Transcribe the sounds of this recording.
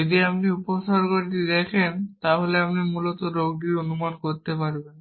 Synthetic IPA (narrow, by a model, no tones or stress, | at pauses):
od̪iap̚niuposaɾkoɾit̪id̪ɛkʰent̪aɦoleapnimulɔt̪ɔɾoɡ̚ɖiɾonumankoɾt̪epaɾben